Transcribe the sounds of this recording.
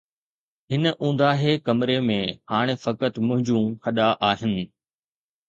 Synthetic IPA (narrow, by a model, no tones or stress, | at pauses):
ɦɪnəʔũːn̆d̪aːɦeːkɐmɾemẽhaːɽ̃efɐkət̪mʊ̃ɦɪ̃ɲd͡ʑũhɐɗaʔaːɦɪnɪ̆